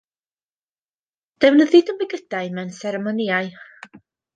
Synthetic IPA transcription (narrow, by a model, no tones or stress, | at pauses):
d̥ɛwnəðɪdəmbɛɡəd̥aɨmɛwnsɛɾɛmɔniaɨ